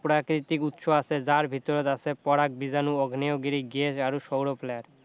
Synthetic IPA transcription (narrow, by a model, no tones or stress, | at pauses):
pɾakɾit̪ikut̪ʃoasʰed͡ʑaɾbʱit̪oɾot̪asʰepɔɾak̚bid͡ʑanuɔɡʱneoɡiɾiɡesaɾuʃowɾoplɛɖ